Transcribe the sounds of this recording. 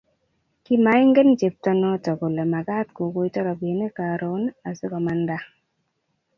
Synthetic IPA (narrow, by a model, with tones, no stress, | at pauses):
ki˦ma˨˦ɪ˦ŋɡe˦nt͡ʃe˨p̚tɔ˦nɔ˦tɔ˨ɡo˨le˨ma˨ɡa˦t̪ko˨ko˦i˦tɔ˦ɾɔ˨bi˨˦ne˦ka˨ɾo˨˦na˨sɪ˦kɔ˨ma˦nda˦